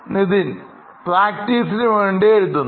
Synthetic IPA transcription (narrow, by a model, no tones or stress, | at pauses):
niðin | praːk̚tiːs̬inɨʋeːɳɖeeɻut̪̬ːunː